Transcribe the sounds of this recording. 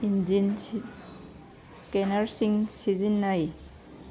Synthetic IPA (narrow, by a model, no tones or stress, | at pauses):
ind͡ʒin | skenaɾsiŋsizinːaj